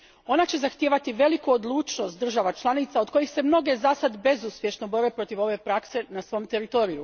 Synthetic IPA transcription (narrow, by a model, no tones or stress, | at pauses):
o̞nat͡ɕe̞zaxt̪jeʋat̪iʋe̞likuod̪lˠuːt͡ʃno̞st̪d̪r̩ʒaʋat͡ʃlˠanit̪saod̪ko̞jixse̞mno̞ɡe̞zasad̪be̞zuspje̞ʃnobo̞ɾepɾo̞t̪iʋo̞ʋe̞pɾakse̞nasʋo̞mt̪e̞ɾit̪o̞ɾiju